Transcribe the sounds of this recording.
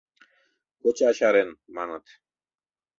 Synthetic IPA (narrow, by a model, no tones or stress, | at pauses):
kot͡ɕʰaʃaɾenmanət̪ʰ